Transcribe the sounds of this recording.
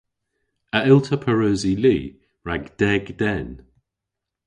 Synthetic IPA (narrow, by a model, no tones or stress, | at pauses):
əʔɪlˠtʰəpʰəɹøːziliː | ɹaɡd̥ɛɡdɛn